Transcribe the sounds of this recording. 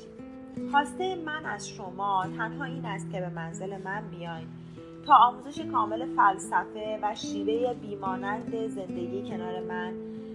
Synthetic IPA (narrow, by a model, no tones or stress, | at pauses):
xɒːst̪e̞jemænæz̥ʃo̞mɒːt̪ʰæt̪ʰhɒːiːnæst̪̚cʰe̞be̞mænze̞le̞mænbijɒːjm | t̪ʰɒːmuːze̞ʃekʰɒːme̞le̞fælsæfe̞væʃiːve̞jebiːmɒːnænd̪e̞ze̞nd̪e̞ɟiːjecʰe̞nɒːɾe̞mæn